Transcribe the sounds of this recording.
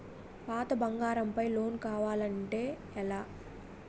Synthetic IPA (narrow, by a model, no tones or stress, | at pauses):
paːt̪ɐbɐŋɡaːɾɐmpɐjlo̞ːnkaːʋaːlɐɳʈe̞ː | ɛlaː